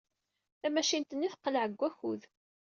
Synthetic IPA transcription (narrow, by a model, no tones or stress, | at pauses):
æmæʃint̪ənːiθqːəlʕəɡʷːæçuð